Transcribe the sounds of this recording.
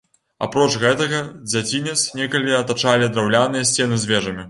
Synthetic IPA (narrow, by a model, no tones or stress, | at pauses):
a̰pɾɔt͡ʂɣɛt̪ɐɣɐd͡zʲat͡sʲinʲɛt̪snʲɛkɐlʲiɐt̪at͡ʂalʲid̪ɾawlʲanɨjɐsʲt͡sʲɛnɨzʲvʲɛʐɐmʲi